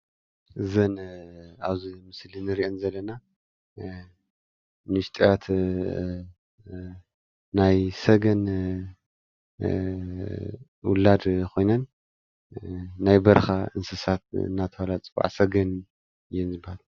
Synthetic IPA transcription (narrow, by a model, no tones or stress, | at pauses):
ʔɨzɐnaβzimɨslinɨɾiʔonzɐlːɐna | nɨʃt̪ʼjat̪ | najsɐɡɐn | wʊ̰lad̪kʰo̞jnɐn | ajbɐɾxaɨnsɐsat̪̚ɨ̰nːat̪ʰɐwalat͡sʼɨbʼa̰ʕsɐɡɐn | jɛnzɨbahal